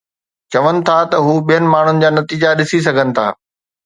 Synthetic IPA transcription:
t͡ɕɐʋənɪ̆t̪ʰat̪ɐɦuːɓijənɪ̆maːɳ̤ʊnɪ̆d͡ʑaːnɐt̪iːd͡ʑaɗɪsis̬ɐɡʱənɪ̆t̪ʰa̰ː

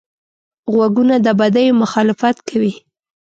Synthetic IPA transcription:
ɣwaɡunad̪əbad̪ajomʊxɑlɪfat̪kʰawi

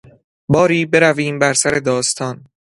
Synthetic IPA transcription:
bɒːɾiːbe̞ɾæviːmbæɾsæɾe̞d̪ɒːst̪ʰɒːn

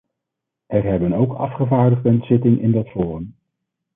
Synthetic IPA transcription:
ʔɛrɦɛbənowkʰɑ̰fχəvaːɹdəʁdənz̥ɪtɪŋʔɪ̰ndɑtfʊːrəm

